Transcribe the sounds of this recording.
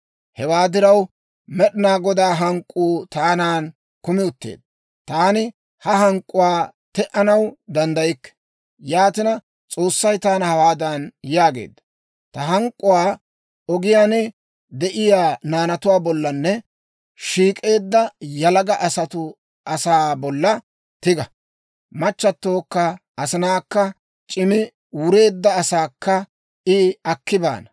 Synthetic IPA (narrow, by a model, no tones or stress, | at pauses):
hɛwaːd̪ɪɾɐw | mɛɗɪnaːɡɔd̪aːɦɐŋkʼːuːt̪aːnaːn | kʊmɪʊt̪ːḛːd̪̚ | t̪aːnɪ | hɐɦɐŋkʼːʊwaː | t̪ɛʔɐnɐwd̪ɐnd̪ɐjɪkːɛ̥ | jaːt̪ɪnɐ | t͡sʼo̞ːsːɐjt̪aːnhɐwaːd̪ɐnjaːɡe̞̰ːd̪ːɐ | t̪ɐɦɐŋkʼːʊwaː | ɔɡɪjaːnɛ | d̪ɛʔɪjaːnaːnɐt̪ʊwaːbɔlːɐnːɛ | ʃiːkʼe̞ːd̪ːɐjɐlɐɡɐʔɐsɐt̪ʊ | ɐsaːbɔlːɐ | t̪ɪɡɐ | mɐt͡ʃːɐt̪ːoːkːɐ | ɐsɪnaːkːɐ | t͡ʃʼɪmɪ | wʊɾe̞ːd̪ːɐːsaːkːɐ | ʔɪɐkːɪba̰ːnɐ